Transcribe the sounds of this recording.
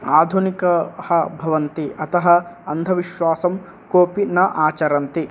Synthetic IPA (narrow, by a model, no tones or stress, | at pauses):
aːd̪ʱunikɐhɐbʱɐʋɐnt̪iɐt̪ɐɦɐɐnd̪ʱɐʋiʃʋaːsɐm | koːpinɐʔaːt͡ʃɐɾɐnt̪i